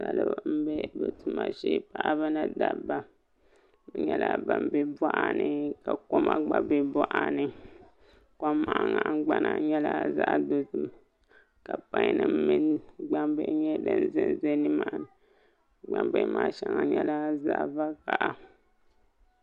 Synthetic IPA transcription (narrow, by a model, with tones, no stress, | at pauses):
sa˨lɨ˦bm̩˦bɛ˦bɛ˨tu˨ma˨ʃe˦pa˦ʔa˦bɨ˦na˦da˨ba˦ | bɨ˨ɲɛ˦la˦ba˨m˦bɛ˦bɔ˦ʔa˦nɨ˨ka˨ko˦ma˦ɡ͡ba˨bɛ˦bɔ˦ʔa˨nɨ˦ | ka˦ma˨ʔa˨ŋa˨ʔɡ͡ba˦na˨ɲɛ˦la˦za˦ʔdo˦tu˦m | ka˨pa˦ɲ˦nɨ˦mmɨ˦n˦ɡ͡ba˦mbɛ˦˨˦ɲɛ˦dɨ˦n˦zɨ˦nzɛ˦nɨ˦ma˨n˨ | ɡ͡ba˨mbe˨˦maː˨˦ʃa˦ŋa˨ɲɛ˦la˦za˦ʔva˦ka˨ʔa˨